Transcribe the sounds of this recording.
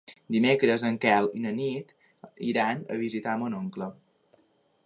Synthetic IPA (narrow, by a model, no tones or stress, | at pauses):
d̪imekɾəzəŋkɛlˠinənit̪ | iɾanə̰β̞izit̪amonoŋklə